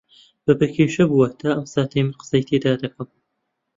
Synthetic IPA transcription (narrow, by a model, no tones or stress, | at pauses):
b̥ɐbɐkʰeːʃɐbuwat̪ʰaʔɐmsaːt̪ʰɐjmɨqɨ̥sɐjt̪ʰeːd̪aːd̪ɐkʰɐm